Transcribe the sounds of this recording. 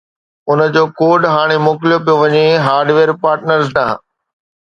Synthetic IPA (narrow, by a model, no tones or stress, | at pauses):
ʊnə̆d͡ʑoːkoːɖɦaːɽ̃emʊːklijop̬ijoʋɐɲeɦaːɾɖʋeːɾpaːɾʈnəɾznaː